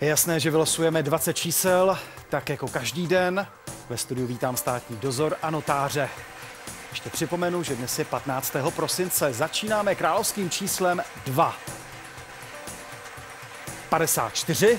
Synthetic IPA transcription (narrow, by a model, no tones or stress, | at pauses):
jɛjasnɛːʒɛvɪlasujɛmɛdvat͡sɛt̪̚t͡ʃiːsɛl | t̪akjako̞kaʒdiːdɛn | vɛst̪udɪjuviːt̪aːmst̪aːt̪ɲiːdo̞zo̞ɾʔano̞t̪aːr̝ɛ | jɛʃc̪ɛpr̝̥ɪpo̞mɛnuʒɛdnɛsjɛpat̪naːt͡st̪ɛːɦo̞pɾo̞sɪnt͡sɛzat͡ʃiːnaːmɛkɾaːlo̞fskiːmt͡ʃiːslɛmdva | padɛsa̰ːt̪̚t͡ʃt̪ɪr̝ɪ